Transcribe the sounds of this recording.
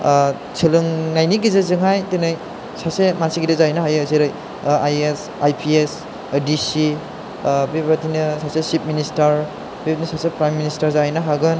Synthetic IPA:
t͡ʃʰɯlɯŋnajniɡizezɯŋajtenaj | sasemasiɡidezajnɯɦajɯsiɾɯj | ajes | ajpʰies | disi | bibatʰinɯsasesip̚ministɐɾ | bibatinisasepɾajministaɾzajnɯɦaɡɯn

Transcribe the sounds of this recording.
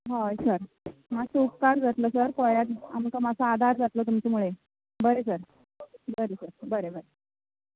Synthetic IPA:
ɦojsəɾ | masukkaɾd͡zat̪ləːsəɾkoɭjat̪a̰mkamat͡sʰaad̪ʱaɾd͡zat̪ləːt̪umt͡ɕamuɭe | bəɾesəɾ | bəɾesəɾbəɾebəɾe

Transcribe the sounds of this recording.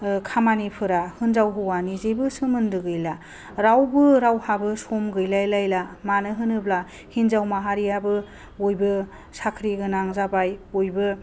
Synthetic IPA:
kʰamanipʰɯɾahɯnzawɦɯwanizebɯsɯmɯndɯɡɯjla | ɾawbɯɾawhabɯsɔmɡɯjlajlajlamanɯɦɯnɯbla | hinzawmaɦaɾijabɯ | ojbɯ | sakʰɾiɡɯnaŋzabajojbɯ

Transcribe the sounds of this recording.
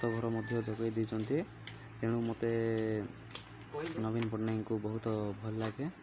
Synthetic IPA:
t̪ɔɡʱɔɾɔmɔd̪ʱjɔd̪ɔɡɔjd̪it͡ʃʰɔnt̪i | t̪eɽ̃umot̪e | nɔbinɔpɔʈnajŋkubɔɦut̪ɔbʱɔllaɡe

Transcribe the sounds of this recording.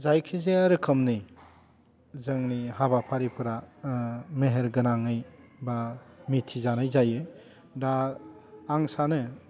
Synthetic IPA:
zajkʰizeaɾɯkʰɯmni | zɯŋnihabapʰaɾipʰɯɾa | meɦeɾɡɯnaŋɯjbamitʰizanɯjzajɯ | daː | ŋsanɯ

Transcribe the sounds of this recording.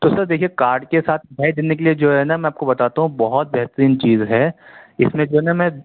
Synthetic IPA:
t̪osɐɾd̪eːkʰiekaːɾɖkesaːt̪ʰbʱɛːid̪ɪnːek̬elied͡ʒoːɦɛnamɛ̃aːp̚kobɐt̪aːt̪aɦũbɔɦɔt̪̚bɛɦt̪əɾiːnt͡ʃiːzɦɛːɪsmẽd͡ʒoːɦɛnamɛ̃

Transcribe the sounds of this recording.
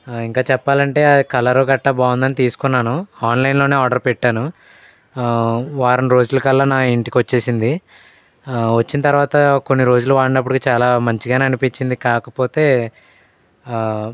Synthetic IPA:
iŋkaːt͡ʃɛpːaːlɐɳʈe̞ːkɐlɐɾoɡɐʈːɐbaːwund̪ɐnit̪iːsu̥kunːaːnuaːnlɐjnlo̞ːne̞ːaːɖɐɾpeʈːaːnu | ʋaːɾɐnɾo̞ːd͡ʒulɐkɐlːɐnaːiɳʈikiʋɐt͡ʃːe̞ːsind̪i | ʋɐt͡ʃːinɐt̪ɐɾuʋaːt̪ɐko̞nːiɾo̞ːd͡ʒuluʋaːɽɐnɐpːuɽikit͡ʃaːlaːmɐɲt͡ʃiɡaːneɐnipit͡ʃːind̪ikaːkɐpo̞ːt̪e̞ː

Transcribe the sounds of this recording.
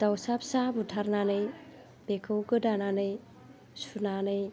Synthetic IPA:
d̥awsap̚sabutʰaɾnanɯj | bekʰɯwɡɯdananɯj | sunanɯj

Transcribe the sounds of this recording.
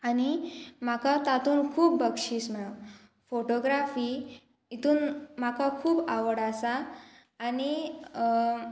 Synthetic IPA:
añimakat̪at̪uːnkʰuːbːəkʂiːsmɛɭo | foʈoɡɾafiː | it̪uːnmakakʰuːbaʋəɽasaː | ñi

